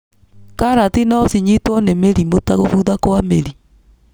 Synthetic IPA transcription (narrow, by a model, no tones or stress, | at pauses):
kaɾatinasiɲitwɔnemeɾimotaɣofuðakwameɾi